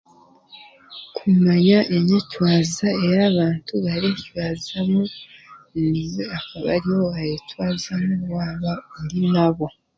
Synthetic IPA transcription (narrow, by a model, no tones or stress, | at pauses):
kʰumaɲaʔeɲecwaːzae̞jaːβaːntuβaɾecwaːzamunizeakaβa̰ɾiwoajetwaːzamuwaːβaondinaβo̞